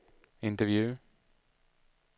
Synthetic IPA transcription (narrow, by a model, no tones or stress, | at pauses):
ɪ̃nt̪əvjʉː